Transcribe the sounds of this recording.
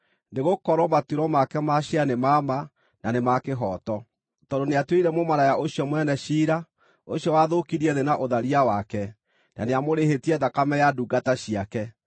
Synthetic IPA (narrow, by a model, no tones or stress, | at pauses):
neɣokɔɾɔmatuɾɔmakɛmaʃianemama | nanemakeɦɔtɔ | tɔdoneatweiɾɛmomaɾajaʔoɕjɔmwɛnɛʃiːɾa | oɕiɔwaðokiɾiɛðenaʔoðaɾiawakɛ | na̰neamoɾeɦetiɛðakamɛjaduɡataɕiakɛ